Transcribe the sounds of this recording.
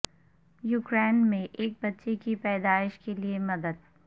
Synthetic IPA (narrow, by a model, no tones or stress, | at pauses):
juːkɾeːnmẽʔeːk̚bɐtːʃekipɛːd̪aːɪʃkeliemɐd̪əd̪